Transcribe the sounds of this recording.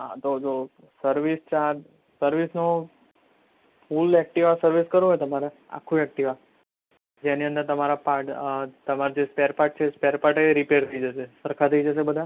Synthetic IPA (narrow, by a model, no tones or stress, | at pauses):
ɦã̰t̪od͡ʒo | səɾʋist͡ʃad | səɾʋisno | fulɛk̚ʈiʋasəɾʋiskəɾõɦjt̪əmaɾe | a̰kʰːũɛk̚ʈiʋa | d͡ʒeniə̃nd̪əɾt̪əmaɾapaʈt̪əmaɾd͡ʒespeɾpaʈ̚t͡ʃʰespeɾpaʈeɾipeɾt̪ʰəid͡ʒəʃesəɾkʰat̪ʰəid͡ʒəʃ̬ebəd̪ʱa